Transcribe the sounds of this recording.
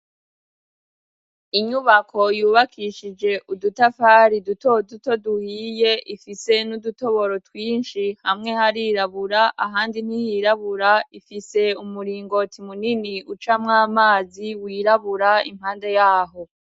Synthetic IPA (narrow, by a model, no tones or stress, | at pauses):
iɲuβakʰo̞juːβakʰiʃid͡ʒe̞ʔudutafaːɾidutoduto̞duhiːje̞ifise̞nuduto̞βo̞ɾo̞twiːnʃihamŋe̞haɾiːɾaβuɾaʔaɦaːndin̥hijiɾaβuɾaifise̞umuɾiːŋɡo̞tʰimuniniʔut͡ʃamŋaːmaːziwiːɾaβuɾaḭm̥haːnde̞jaːɦo̞